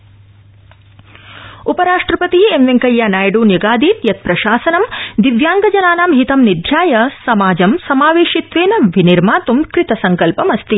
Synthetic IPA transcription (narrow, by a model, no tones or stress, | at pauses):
upɐɾaːʂʈɾɐpɐt̪iemʋeŋkɐjːaːnaːjɖuːnjɐɡaːd̪iːt̪jɐt̪̚pɾɐʃaːsɐnɐmd̪iʋjaːŋɡɐd͡ʒɐnaːnaːmɦit̪ɐmnid̪ʱjaːjɐsɐmaːd͡ʒɐmsɐmaːʋeːʃit̪ʋeːnɐʋiniɾmaːt̪umkɾɪt̪ɐsɐŋkɐlpɐmɐst̪i